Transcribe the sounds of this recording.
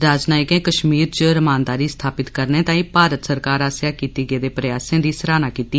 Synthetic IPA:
ɾaːd͡ʒnaːɪkɛ̃ːkəʃmiːɾt͡ʃɾəmaːnd̪aːɾiːst̪ʰaːpɪt̪kəɾnẽːt̪ãːĩːpaːɾət̪səɾkaːɾaːsjaːkiːt̪iːɡeːd̪eːpɾəjaːsẽːd̪iːsəɾaːnaːkiːt̪iː

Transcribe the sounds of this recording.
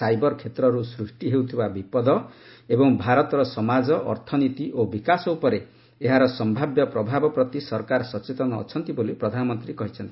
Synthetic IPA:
sajbɔɾkʰet̪ɾɔɾusɾusʈiɦewt̪ʰibabipɔd̪ɔebɔŋbʱaɾɔt̪ɾɔsɔmad͡ʒɔʔːɾt̪ʰɔnit̪iʔobikasɔupɔɾe | eɦaɾɔsɔmbʱabjɔpɾɔbʱabɔpɾɔt̪isɔɾkaɾsɔt͡ʃet̪ɔnɔ̰ːt͡ʃʰɔnt̪ibolipɾɔd̪ʱanɔmɔnt̪ɾikɔɦit͡ʃʰɔnt̪i

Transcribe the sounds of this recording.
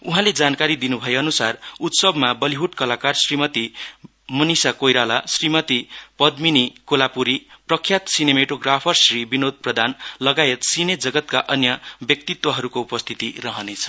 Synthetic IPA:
uɦãled͡zankaɾid̪inubʱʌeʌnusarut̪sʌbmabʌliɦuʈkʌlakarsrimʌt̪i | mʌnisakojɾalasrimʌt̪ipʌd̪minikolapuɾiprʌkʰːjat̪sinemeʈoɡrapʰʌrsribinod̪̚ʱprʌd̪ʱanlʌɡajet̪sined͡zʌɡʌt̪kaʔʌnjʌbjʌk̚t̪it̪wʌɦʌɾukoupʌst̪ʰit̪irʌɦʌnet͡sʰʌ̥

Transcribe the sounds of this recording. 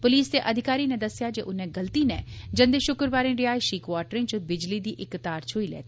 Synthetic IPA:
pʊliːsd̪eːʔəd̪ʱɪkaːɾiːnɛ̃d̪əsɪjaːd͡ʒeːʔʊnɛ̃ːɡəlt̪iːnɛːd͡ʒə̃nd̪eːʃʊkɾbaːɾẽːɾɪjaːjʃiːkʋaːʈɾẽːt͡ʃbɪd͡ʒliːd̪iːʔɪkt̪aːɾt͡ʃʰoːiːlɛ̰ːt̪i

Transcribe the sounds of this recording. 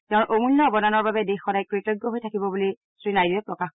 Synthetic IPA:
tɛʊ̃nʔomulːɔɔbɔnanɔɹbabɛdexːɔdajkɹitɔɡːɔɦojtʰakibɔbuli | sɹinajdiɛpɹɔkax

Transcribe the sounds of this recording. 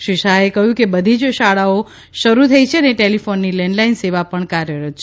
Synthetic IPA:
ʃiʃaekəɦjũkebəd̪ʱid͡ʒʃaɭao | ʃəɾut̪ʰəit͡ʃʰeəneʈelifonːilɛɳɖlainseʋapəɳkaɾjəɾət̪̚t͡ʃʰ

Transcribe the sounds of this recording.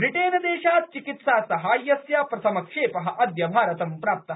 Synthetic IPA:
bɾiʈeːnɐd̪eːʃaːt̪̚t͡ʃikit̪saːsɐɦaːjːɐsjaːpɾɐsɐmɐkʂeːpɐɦɐʔɐd̪jɐbʱaːɾɐt̪ɐmpɾaːp̚t̪ɐɦ

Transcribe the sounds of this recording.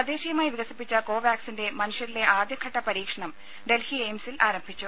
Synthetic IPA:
ɐd̪eːɕijɐmaːjʋiɡɐsipːit͡ɕːɐko̞ːʋjaːksinde̞mɐnuʂjɐɾile̞ʔaːd̪jɐkʰːɐʈːɐpɐɾiːkʂɐɳɐm | ɖe̞lhiejmsilʔaːɾɐmbʱit͡ɕːu

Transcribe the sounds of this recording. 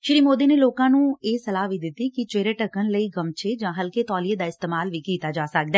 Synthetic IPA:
ʃɪɾiːmoːd̪iːneːloːkãːnũːeːsəlaːʋiːd̪ɪt̪ːikɪt͡ʃeːɾeːʈəkənləiːɡəmt͡ʃʰeːd͡ʒãːɦəlkeːt̪ɔːlied̪aːɪst̪eːmaːlʋiːkiːt̪aːd͡ʒaːsək̚d̪aɛ

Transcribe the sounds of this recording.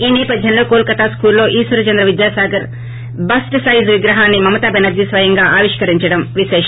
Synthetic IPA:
iːnɛːpɐd̪ʱjɐmlo̞ːkoːlkɐt̪aːskuːllo̞ːʔiːsʋɐɾɐt͡ʃɐnd̪ɾɐʋid̪jaːsaːɡɐɾ | bɐsʈsɐjzʋiɡɾɐɦaːnːimɐmɐt̪aːbɛnɐɾd͡ʒ̪isʋɐjɐŋɡaːʔaːʋiʂkɐɾiɲt͡ʃɐɽɐmʋiʃeːʃɐ

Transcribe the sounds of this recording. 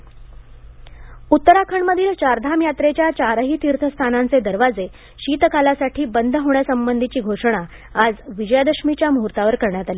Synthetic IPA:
ut̪ːəɾakʰəɳməd̪ʱiːlt͡ɕaɾd̪ʱamjat̪ɾet͡ɕjat͡ɕaɾəɦiːt̪iɾt̪ʰəst̪ʰanant͡sed̪əɾʋad͡ze | ɕiːt̪kalasaʈʰiːbənd̪ʱəɦoɳjasəmbənd̪ʱit͡ɕiːɡʱoʂəɽ̃a | ad͡zʋid͡ʑəjad̪əʂmit͡ɕjamuɦuɾt̪aʋəɾkəɾɳjat̪aliː

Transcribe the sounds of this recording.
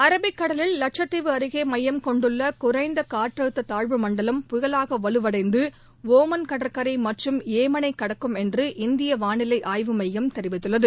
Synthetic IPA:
ɐɾɐbɪkːɐɽɐlɪlːɐʈ̚ʂɐt̪ːɪʋɯɐɾɯɣeːmɐjːɐmkɔɳɖɯɭːɐkʊɾɐɪnd̪ɐkaːʈrɐɯt̪ːɐt̪aːɻʋɯmɐɳɖɐlɐmpʊɣɐlaːɣɐʋɐɭɯʋɐɽɐɪnd̪ɯ | ʋoːmɐnkɐɽɐɾkɐɾɐɪmɐʈrɯmeːmɐnɐɪkːɐɽɐkːɯmɛndrɯʔɪnd̪ɪjɐʋaːnɪlɐɪʔaːjʋɯmɐjjɐmt̪ɛɾɪʋɪt̪ːɯɭːɐðɯ

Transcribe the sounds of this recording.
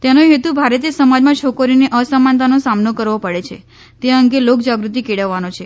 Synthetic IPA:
t̪enoɦet̪ubʱaɾət̪esəmad͡ʒmãt͡ʃʰokəɾineʔəsəmant̪anosamnokəɾʋopəɽet͡ʃʰḛ | t̪eəŋɡelok̚d͡ʒaɡɾut̪̬ikeɽəʋːanot͡ʃʰe

